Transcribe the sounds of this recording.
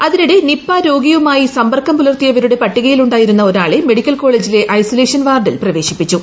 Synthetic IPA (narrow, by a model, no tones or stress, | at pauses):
ɐðiniɽenipːaːɾo̞ːɡijɐumaːjisɐmbɐrkːɐmpulɐrt̪ijɐʋɐɾuɽe̞pɐʈːiɣɐjiluɳɖaːjiɾunːɐo̞ɾaːɭeme̞ɽikʲːɐlko̞ːɭeːd͡ʑile̞ʔɐjsole̞ːʂɐnʋaːrɖilprɐʋe̞ːɕipːit͡ɕːu